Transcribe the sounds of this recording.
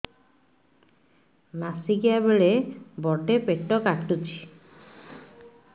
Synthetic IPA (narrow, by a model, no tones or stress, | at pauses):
nasiɡiabeɭebɔɖepeʈːɔkaʈʈut͡ʃʰi̥